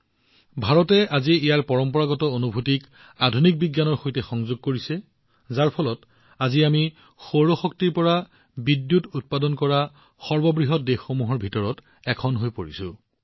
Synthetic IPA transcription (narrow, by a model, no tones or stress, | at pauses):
bʱaɹɔtɛʔaziijaɹpɔɹɔmpɔɹaɡɔtɔonubʱutik | adʱunik̚biɡjanɔɹxojtɛxɔŋzuɡ̚koɹisɛ | zaɹpʰɔlɔt | aziami | xoɹoxɔk̚tiɹpɔɹa | bidːjutut̚padɔnkɔɹa | xɔɹbɔbɹiɦɔt̚dexomuɦɔɹbʱitɔɹɔt | ɛkʰɔnɦojpoɹḭsʊ̃